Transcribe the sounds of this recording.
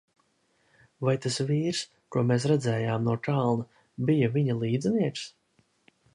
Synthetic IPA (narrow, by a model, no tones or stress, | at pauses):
vajt̪asviːɾs | kuɔmeːsɾad̪zɛːjaːmnuɔk̪alˠna | bijɐviɲɐlˠiːd̪zniɛks